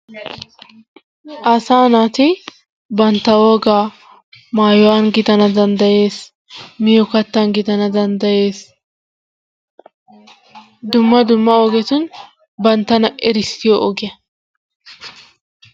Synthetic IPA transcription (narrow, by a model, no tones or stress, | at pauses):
ʔɐsaːnaːt̪ɪ | bɐnt̪ːɐwoːɡaː | maːjʊwanɡɪt̪ɐnɐd̪ɐnd̪ɐje̞ːs | mɪjɔkɐt̪ːɐnɡɪt̪ɐnɐd̪ɐnd̪ɐje̞ːs | d̪ʊmːɐd̪ʊmːɐɔɡɛt̪ʊn | bɐnt̪ːɐnɐʔɛɾɪsɪjɔʔɔɡɪjɐ